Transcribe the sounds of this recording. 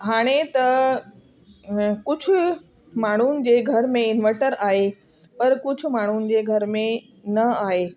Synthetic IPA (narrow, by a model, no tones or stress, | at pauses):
ɦaːɽ̃et̪ɐ | kʊd͡ʑʱʊ̆ | maːɳ̤unɪ̆d͡ʑeːɡʱɐɾmẽɪnʋəɾʈəɾaːɦe | pɐɾkʊd͡ʑʱʊ̆maːɳ̤unɪ̆d͡ʑeːɡʱɐɾmẽ | nɐaːɦeː